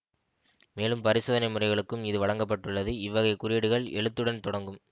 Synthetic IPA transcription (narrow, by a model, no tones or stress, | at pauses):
meːlɯmpɐɾɪsoːðɐnɐɪmɯrɐɪɣɐɭɯkːɯmɪðɯʋɐɻɐŋɡɐp̬ːɐʈːɯɭːɐðɯɪʋːɐɣɐɪkʊɾɪɽɯɣɐɭɛ̰ɭɯt̪ːɯɽɐnt̪ɔɽɐŋɡɯm